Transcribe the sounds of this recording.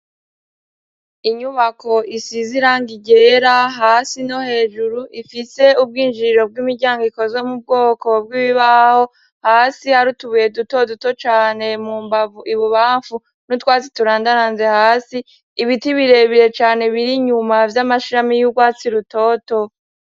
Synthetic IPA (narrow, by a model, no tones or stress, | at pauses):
iɲuβakʰo̞ʔisiziɾaŋɡiɟe̞ɾaɦaːsino̞he̞ːʒuɾuʔifise̞ub̚ɡiːnd͡ʒiɾo̞b̚ɡimiɾɟaːŋɡiko̞zomub̚ɡo̞ːko̞b̚ɡiːβiβaho̞ | haːsihaɾutuβuje̞duto̞duto̞t͡ʃaːne̞muːmbavuʔiβuβaːɱfu | nutwaːt͡si̥tuɾaːndaɾaːnze̞haːsiː | βitiβiɾe̞βiɾe̞t͡ʃaːne̞βiɾiɲumavjamaʃiɾamijuɡwaːt͡siɾuto̞ːto̞